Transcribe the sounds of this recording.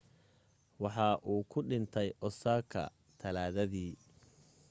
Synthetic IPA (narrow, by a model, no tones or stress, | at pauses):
wɑħɑːʔuːkʰʊɖɪnt̪ʰɛjʔɔsaːkʰɐ̰ | t̪ʰɐlaːðɐðiː